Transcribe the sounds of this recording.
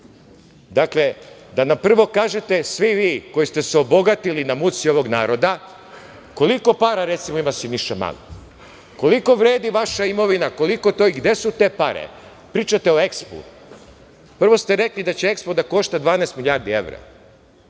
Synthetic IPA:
d̪akle̞ | d̪anampr̩ʋo̞kaːʒe̞t̪e̞sʋiʋiːko̞jist̪e̞seo̞bo̞ɡat̪ilinamut̪sio̞ʋo̞ɡnaːɾo̞d̪a | ko̞liko̞paːɾaɾe̞t̪simoimasiniʃt̪ama̰lo | ko̞liko̞ʋɾe̞ːd̪iʋaʃaimo̞ʋinako̞liko̞t̪o̞iɡd̪je̞sut̪e̞ːpaɾḛ | pɾiːt͡ʃat̪eo̞e̞kspṵ | pr̩ʋo̞st̪e̞ɾe̞klid̪at͡ɕeekspod̪ako̞ʃt̪ad̪ʋaːnaest̪milʎjaːɾd̪iḛʋɾa̰

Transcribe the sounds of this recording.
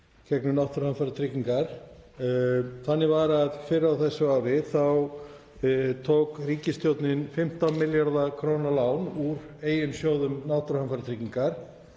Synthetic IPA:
cʰɛknʏnawht̪ɾhanfaɾt̪ʰɾɪciŋkaɾ̥ | θanːɪvaɾaðfɪɾɪɾawθɛsːʏaːɾɪθaw | t̪ʰowkriːcɪst̪jowt̪nɪnfɪm̥t̪amɪljaɾðakʰɾoːwnalaːwnuɾeːjʏnsjoːwðʏmnawht̪ɾhanfaɾɪt̪ʰɾiciŋkaɾ̥

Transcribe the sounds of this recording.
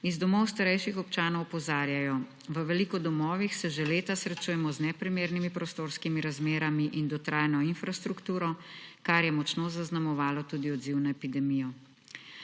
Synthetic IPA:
izd̪ɔmɔwst̪aɾɛjʃixɔpt͡ʃaːnɔwpɔzaːɾjajɔ | ʋəʋɛlikɔd̪ɔmɔːʋixsɛʒeleːt̪asɾɛt͡ʃuːjɛmɔznɛpɾimeːɾnimipɾɔst̪oːɾskimiɾazmeːɾamiʔind̪ɔt̪ɾaːjnɔinfɾast̪ɾukt̪uːɾɔkaɾjɛmɔt͡ʃnozaznamɔʋaːlɔt̪uːd̪iɔd̪ziwnaɛpid̪ɛmijɔ

